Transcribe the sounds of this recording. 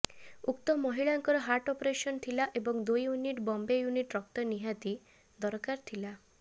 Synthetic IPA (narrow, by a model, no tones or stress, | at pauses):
ukt̪ɔmɔɦiɭaŋkɔɾɔɦaɾʈɔpɾesɔnt̪ʰilaʔebɔŋd̪ujːuniʈbɔmbejuniʈɾɔkt̪ɔniɦat̪i | d̪ɔɾkaɾt̪ʰila